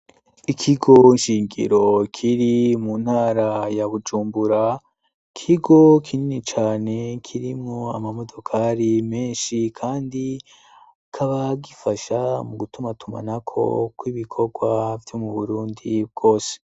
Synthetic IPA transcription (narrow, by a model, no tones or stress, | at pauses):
ikʰiɡo̞inʃiːŋɡḭɾo̞kʰiɾimun̥haːɾajaβud͡ʒuːmbuɾa | kʰiɡo̞kʰininit͡ʃaːne̞kʰiɾimŋo̞amamo̞do̞kʰaɾime̞ːnʃikʰaːndi | kʰaβaɡifaʃamuɡutumatuma̰nakʰo̞̰kwiβikʰo̞ɡwavjo̞muβuɾuːndib̚ɡo̞ːse̥